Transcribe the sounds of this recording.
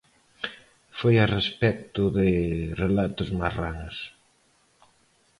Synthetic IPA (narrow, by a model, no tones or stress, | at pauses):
fojarespɛk̚t̪ʊðɪrelat̪ʊzmaranos